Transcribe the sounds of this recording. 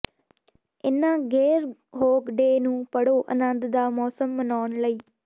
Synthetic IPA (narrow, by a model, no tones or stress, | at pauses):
ɪnãːɡɛːɾɦoːkɖeːnũːpəɽoːʔə̰nə̃nd̪d̪aːmɔːsəmːənaːɳləiː